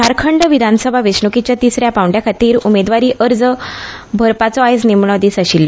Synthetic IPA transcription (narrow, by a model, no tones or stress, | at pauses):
taɾkʰəɳɖʋid̪ʱanəsəbʱaʋesɳukit͡ɕjat̪isɾjapawɳɖjakʰat̪iːɾumed̪ʋaɾiːʔəɾd͡zə | bʱəɾpat͡sɔajsnimɳɔd̪iːsaɕilː